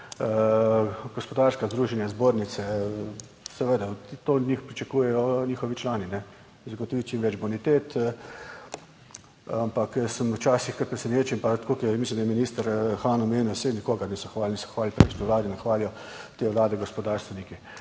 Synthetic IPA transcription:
ɡɔspɔd̪aɾskazd̪ɾuːʒɛnjazboːɾnit̪sɛ | sɛʋed̪at̪od̪nʲɲixpɾit͡ʃakuːjɛjɔnʲiːxɔʋit͡ʃlaːninɛ | zɡɔt̪ɔʋit͡ʃimʋɛd͡ʒbonit̪eːt̪ | ampakjəsəmwt͡ʃaːsixkətpɾɛsɛneːt͡ʃɛimpat̪kokimislʲimd̪ajɛminiːst̪əɾxaːnɔmeːnɔjsenikoːɡaɾnisɔxʋaːlnisɔxʋaːlʲpɾeʃniʋlaːd̪inaxʋaːljɔ | t̪eːʋlaːd̪ɛɡɔspɔd̪aːɾst̪ʋɛniki

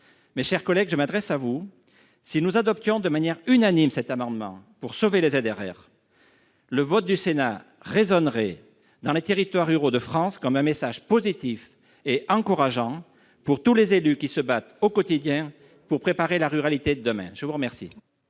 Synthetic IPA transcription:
meʃɛʁkɔlɛɡʒəmad̪ʁɛsavu | sinuzad̪ɔp̚t̪jɔ̃d̪əmanjɛʁynanimsɛt̪amɑ̃d̪əmɑ̰̃puʁsovelezed̪eʁɛ̰ːʁ | ləvɔt̪̚d̪ysena | ʁezɔnʁɛ | d̪ɑ̃let̪eʁit̪waʁyʁod̪əfχɑ̃skɔmɛ̃mesaʒpozit̪if | eɑ̃kuʁaʒɑ̃ | puʁt̪ulezelykʲisəbat̪okɔt̪id̪jɛ̃ | puʁpχepaʁelaʁyʁalit̪ed̪əd̪əmɛ̰̃ʒ̥əvuʁəmɛʁsḭ

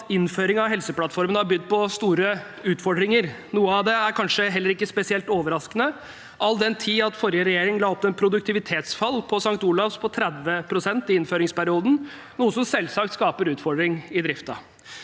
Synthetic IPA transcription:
ɪnføːɾɪŋɑʋɦɛlsəplɑt̪fɔɾmənhɑɾbʏd̪ːpʰɔst̪uːɾə | ʉːt̪fɔɖɾɪŋəɾ | nuːəɑʋd̪ɛæɾkʰɑnʂəɦɛlːəɾɪkːəspɛsɪɛlt̪oːʋəɾɑskənə | ʔɑlːd̪ɛnt̪ʰiːɑt̪fɔɾjəɾɛjeːɾɪŋəlɑːɔpːɛnpʰɾʊd̪ʉk̚t̪ʰɪʋɪt̪ʰeːt̪sfɑlːpʰɔsɑŋkt̪uːlɑfspʰɔt̪ʰɾɛd̪ʋəpʰɾʊsɛnt̪ɪɪnføːɾɪŋspæɾɪuːd̪n̩ | nuːəsɔmsɛlːsɑk̚t̪skɑːpəɾʉːt̪fɔɖɾɪŋɪd̪ɾɪft̪ɑ̰

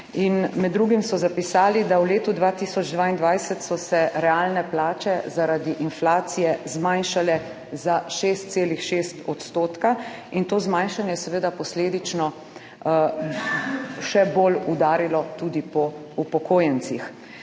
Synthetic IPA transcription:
inmɛd̪ːɾuɡimsɔzapisaːlid̪awleːt̪ud̪ʋaːt̪isɔd͡ʒd̪ʋaːind̪ʋajsɛt̪sɔsɛɾɛalnɛplaːt͡ʃɛzaɾad̪iʔinflaːsijɛzmãjnʃalɛ | zaʃeːst̪̚seːlixʃest̪ɔt̪st̪oːt̪ka | int̪oːzmajnʃanjɛjɛsɛʋeːd̪apɔsleːd̪it͡ʃnɔ | ʃɛbolud̪aːɾilɔt̪ud̪ipɔ | upɔkʰoːjɛnt͡ssix

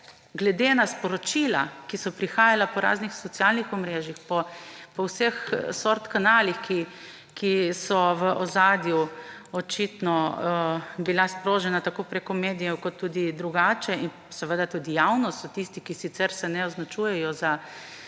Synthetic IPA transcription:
ɡlɛd̪enaspɔɾɔt͡ʃilakisɔpɾixaːjalapɔɾa̰ːznixsɔt̪sjalnixɔmɾeːʒixpɔpɔwsəxsoɾt̪kanaːlixki | kisɔʋəʔɔzaːd̪ju | ɔt͡ʃit̪nɔ | bilaspɾoːʒɛnat̪akoːpɾekɔmeːd̪ijɛwkɔt̪ːud̪id̪ɾuɡaːt͡ʃɛin | sɛʋəd̪at̪uːd̪ijawnɔsɔt̪ist̪ikisit̪sɛɾsɛnɛɔznat͡ʃujɛjɔza

